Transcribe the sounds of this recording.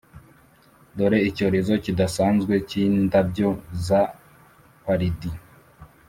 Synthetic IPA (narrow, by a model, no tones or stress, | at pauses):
do̞ɾe̞ico̞ɾe̞zo̞cidasaːnzɡwe̞cindabɟo̞za | kaɾidi